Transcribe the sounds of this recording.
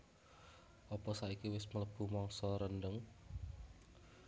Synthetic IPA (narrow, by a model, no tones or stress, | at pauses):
ʔɔpɔsaikiwɪsmələb̥ṳmɔŋsɔɾənɖəŋ